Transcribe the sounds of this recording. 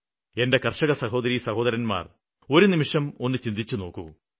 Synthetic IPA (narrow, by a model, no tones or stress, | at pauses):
e̞nde̞kɐrʂɐɣɐsɐɦo̞ːd̪ɐɾisɐho̞ːd̪ɐɾɐnma̰ːr | o̞ɾunimiʂɐmo̞nːɨt͡ɕind̪it͡ɕːuno̞ːkːṵ